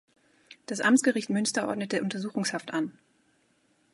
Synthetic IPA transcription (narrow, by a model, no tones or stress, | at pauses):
d̥asʔa̰mtt͡sɡ̥əʁɪçtmʏnstɐʔɔ̰ɐdnətəʔʊntɐzuːxʊŋshaftʔan